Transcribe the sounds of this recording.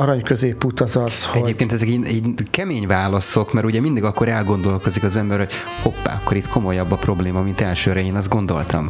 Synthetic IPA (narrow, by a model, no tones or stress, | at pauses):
ɒɾɒɲkøzeːpːut̪ɒzɒshɛoeːp̚keːnt̪ɛzɛkiiːɟkɛmeːɲvaːlɒso̞kmɛɾuɟɛmind̪iɡɒkːo̞ɾɛlɡo̞nd̪o̞lko̞zikɒzɛmbɛɾho̞c | ho̞pːa̰ːɒkːoɾit̪kʰo̞mo̞jɒbːɒpro̞bleːmɒmint̪ɛlʃøːɾɛeːnɒzɡo̞nd̪o̞̰lt̪ɒ̰m